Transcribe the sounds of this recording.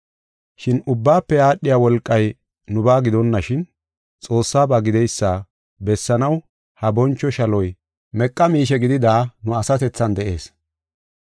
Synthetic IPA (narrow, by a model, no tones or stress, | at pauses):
ʃɪnʊbːaːpːɛaːɗːɪjaːwɔlkʼːɐj | nʊbaːɡɪd̪ɔnːɐʃɪn | t͡sʼo̞ːsːaːbɐɡɪd̪ɛjsːaː | bɛsːɐnɐw | hɐbɔnt͡ʃːɔʃɐlɔj | mɛkʼːɐmiːʃɛɡɪd̪ɪd̪aːnʊɐsɐt̪ɛt͡sːɐnd̪ɛʔe̞ːs